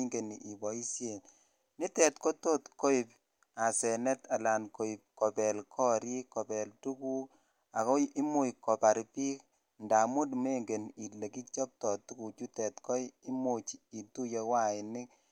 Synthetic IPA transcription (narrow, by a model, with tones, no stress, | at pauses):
ŋɡe˨ni˨ʔi˨bɔ˨i˦sje˨n | ni˦tɛ˨tko˦to˦tko˦i˨p̚ | a˨sɛ˨nɛ˦ta˨la˨nko˨i˨p̚kɔ˨pɛ˨lkʰɔ˦ɾi˦kɔ˨pɛ˨ltu˦ku˦ | a̰˨kɔ˦i˦mu˦kɔ˨pa˨ɾpi˦k | nda˨mu˦tme˦ŋɡe˨ni˨le˨ki˦t͡ʃɔ˦p̚tɔ˨tu˦ku˨t͡ʃu˦tɛ˨tkɔ˦ji˦mu˨t͡ʃi˨tu˦je˧wa˦ɪ˨nɪ˦k